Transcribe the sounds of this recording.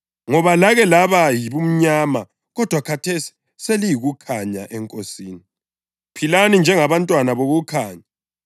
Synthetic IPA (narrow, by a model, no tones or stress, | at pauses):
ŋɔβalaɣɛlaβajiβum̩ɲama | ɣɔd̥ʱwakʰatʰesi̥ | selijiɣukʰaɲaʔɛŋkʼosiːni | pʰilanind͡ʒʱɛŋaβantʼwanaβoɣukʰaːɲa